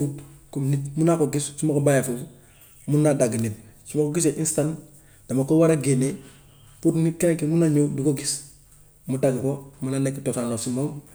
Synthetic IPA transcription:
utkumnitmunakoɡissumakobajafusu | munːadaɡnit̚sumakoɡis̬eʔĩnstan | d̥amakowaɾaɡene | putnit̚kenekimunaɲodikoɡis | mudaɡikomunanekitotanlosimoŋ

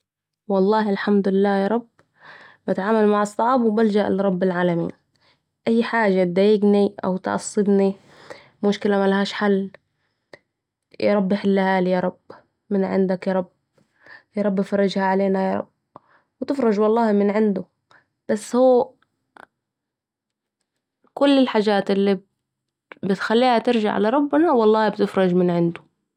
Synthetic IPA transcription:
wɑlˤːɑːhɪlħamd̪lɪlːaːjɑːɾˤɑb | bat̪ʕaːmalmaʕɑsˤːɑʕbwbald͡ʒaʔlɾˤɑbːɪlʕaːlamḭːn | ʔajːħaːd͡ʒat̪̚d̪ajɪɡniʔa̰wt̪ʔɑ̰sˤːɨd̪ni | mʊʃkɪlamalahaːʃħalː | jɑ̰ɾˤɑbːɪħɪlːahaːljɑːɾˤɑb | mɪnʕɪ̰nd̪akjɑɾˤɑb | jɑːɾˤɑbːfɑɾˤːɑd͡ʒhaʕaleːnajɑːɾˤɑ̰b | wɪt̪ɪfɾˤɑd͡ʒwɑlˤːɑːhmɪnʕɪnd̪ʊ | b̥asːhuː | kʊlːɪlħaːd͡ʒaːt̪ʔɪlːi | bɪt̪xalːiːhat̪ɪɾʒa̰ʕʔa̰laɾˤɑbːnawɑlˤːɑːhbt̪ɪfɾˤɑʒmɪnʕɪnd̪ʊ

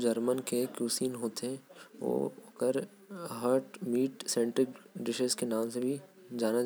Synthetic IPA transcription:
d͡ʒɐɾmənkekjuːsiːnɦoːt̪eɦɛ̃ʋo̰ːkəɾ | ɦəɾʈmiːʈsɛ̃ːɳʈɾɪkɖɪʃəskenaːmsebʱid͡ʒaːna

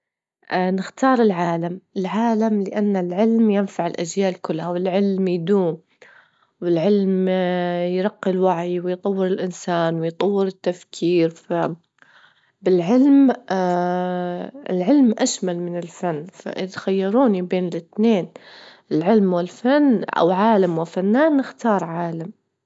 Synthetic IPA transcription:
ʔnɪxt̪ɑːɾˤɪlʕaːlamɪlʕaːlamlɪʔanːalʕɪlmjɪnfaʕɪlʔad͡ʒjaːʔlkʊlːhawɪlʕɪlmjd̪uːm | wɪlʕɪlm | jɾˤɑqːɪlwaʕjwɪjt̪ˤɑwːɪɾɪlʔɪnsaːnwɪjt̪ˤɑwːɪɾɪt̪ːafkʰiːɾfa | bɪlʕɪlm | ɪ̰lʕɪlmʔaʃmalmɪnɪlfanːfa̰ʔɪðxajːɑɾuːnibeːnɪlʔɪt̪neːn | ɪlʕɪlmwɪlfanːa̰wʕaːlamwɪfanːaːnːɪxt̪ɑːɾˤʕaːlam

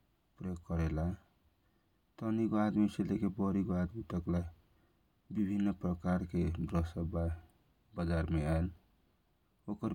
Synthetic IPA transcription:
pɾəjoɡ̚kəɾela | t̪ənikoad̪miselekebɔɾikoad̪mit̪əkla | bibʱinːpɾəkaɾked̪ɾɔsəba | bəd͡ʒaɾmeael | okəɾ

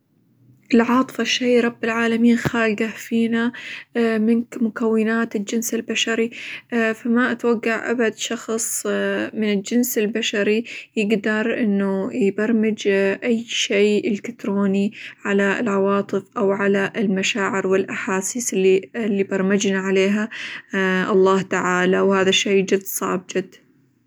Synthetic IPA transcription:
ʔɪlʕɑːt̪ˤɨ̥fɑʃːajɾˤɑbːɪlʕaːlamiːnxaːlɡafiːna | mɪnkmʊkawːɪnaːt̪ɪld͡ʒɪnsɪlbaʃaɾifamaʔat̪waɡːaʕʔa̰bad̪ʃɑxsˤmɪnɪld͡ʒɪnsɪlbaʃaɾijɪɡd̪ɑɾˤʔɪnːujbɑɾˤmɪd͡ʒʔajːʃeːɪlkat̪ɾoːniʕalaɪ̰lʕɑwɑːt̪ˤɨfʔawʕalaʔɪlmaʃaːʕɪɾwɪlʔaħaːsiːsɪlːiɪlːibɑɾˤmɪd͡ʒnaʕaleːɦa | ʔɑlˤːɑːht̪aʕaːlawhaːðaʃːejd͡ʒɪd̪ːsˤɑ̰ʕb̚d͡ʒɪd̪ː

